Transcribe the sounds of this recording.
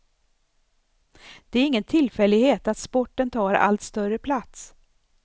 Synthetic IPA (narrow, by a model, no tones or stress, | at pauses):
d̪̥ɛæɾɪŋːənt̪ʰɪlːfɛlːɪɡheːt̪at̪spɔʈːənt̪ʰɑːɾa̰lt̪st̪œrəpʰlat̪s